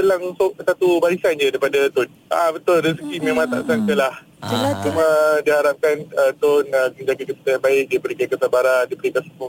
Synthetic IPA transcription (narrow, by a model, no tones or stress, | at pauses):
pəlaŋsoʔ̚sat̪ubaɾisand͡ʒədajpadat̪ʊn | a̰bət̪ʊlɾəsəɡimẽmãŋt̪a̰ʔsaŋkəlah | at͡ʃumədihaɾap̚kanət̪ʊnəkəɲd͡ʒakakəpə̥t̪ajabaɪk̚dipəɾikakəsabaɾandipəɾikasə̥kʊŋ